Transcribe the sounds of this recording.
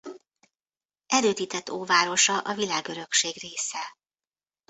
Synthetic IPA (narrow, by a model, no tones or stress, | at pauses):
ɛɾøːt̪iːt̪ɛt̪ːoːvaːɾo̞ʃɒʔɒvilaːɡø̞ɾø̞kʃeːɡreːsɛ